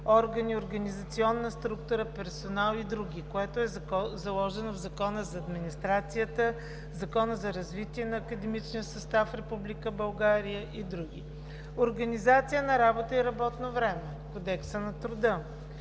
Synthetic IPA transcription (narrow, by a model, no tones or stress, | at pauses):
ɔɾɡənioɾɡɐnizɐt̪siɔnːəst̪ɾukt̪ʊɾəpɛɾsonalˠid̪ɾuɡʲikoɛt̪oʊɛzɐlˠɔʒɛnovzɐkɔnəzɐːd̪minist̪ɾat̪sijət̪ə | zɐkɔnəzɐɾɐzvit̪iɛnɐːkəd̪ɛmit͡ʃniəsəst̪afɾɛpublikəbɐlˠɡaɾijəʔid̪ɾuɡʲḭ | oɾɡɐnizat̪sijənɐɾabot̪əiɾɐbɔt̪novɾɛmɛ | kod̪ɛksənɐt̪ɾʊd̪ə